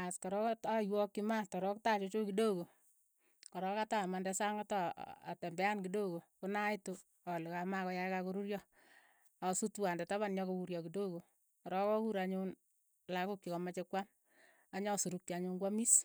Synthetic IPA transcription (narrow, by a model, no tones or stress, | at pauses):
askɔɾɔktajwɔkːimatɔɾɔktat͡ʃot͡ʃokidoko | kɔɾɔkatamandɛsaŋataa̰tɛmbɛankidoɡokonaito | alɪkamakɔjakakoɾuɾjɔ | asutwandɛtaβanɲɔkokuɾjɔkidoko | kɔɾɔkɔkuɾaɲun | lakokt͡ʃikɔmat͡ʃekwam | aɲɔsuɾuk̚t͡ʃiaɲuŋkwamis